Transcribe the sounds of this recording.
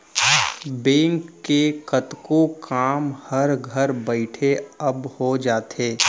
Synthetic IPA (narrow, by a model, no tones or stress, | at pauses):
bẽːŋkːekɐt̪kokaːmhɐɾɡʱəɾbəɪʈʰeɐbhod͡ʒaːt̪eː